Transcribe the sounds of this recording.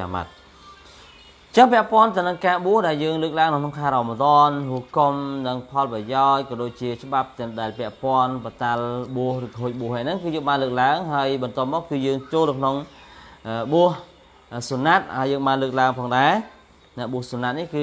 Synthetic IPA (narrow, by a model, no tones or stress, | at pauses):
a̰ma̰t̪̚ | ɲt͡ɕəŋpɛ̆əʔpŏənt̪əɨwnɨŋkaːɓuəhɗaɛljəːŋləːk̚laəŋnɨwkʰnoŋkʰaːɾamət̪ŏnɦuəkomnɨŋpʰɑlprɑjaɔc̚kɑːɗoːc̚t͡ɕiət͡ɕə̆ɓap̚t̪ɛ̆əmɗaɛlpɛ̆əʔpŏənpat̪alɓuəhrɨːkɦoːc̚ɓŭəhʔajnɨŋkɨːjəːŋɓaːnləːk̚laəŋɦaəjɓɑnt̪ŏəp̚mɔːk̚kɨːjəːŋt͡ɕoːlnɨwkʰnoŋʔəɓuəh | sunat̪̚haəjəːŋɓaːnləːk̚laəŋpʰɑːŋɗaɛ | nɛ̆əʔɓuəhsunat̪̚nihkɨː